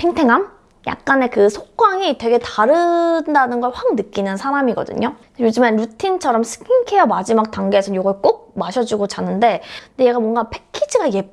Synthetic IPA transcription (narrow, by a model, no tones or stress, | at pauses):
tʰeŋtʰe̞ŋam | ja̰k̚k͈ane̞kɯsʰok̚k͈waŋitwe̞ɡe̞taɾɯndanɯnɡʌɭɸwaŋnɯk͈inɯnsʰaɾamiɡʌ̰dɯ̰ɲo | jod͡ʑɯmanɾutʰint͡ɕʰʌɾʌmsʰɯ̥kʰiŋkʰejʌmad͡ʑimak̚taŋɡeːsʰʌjoɡʌɭk͈ok̚maɕʰʌd͡ʑuɡot͡ɕanːɯnde̞ndeje̞ɡamwʌŋɡapʰe̞kʰid͡ʑiɡaje̞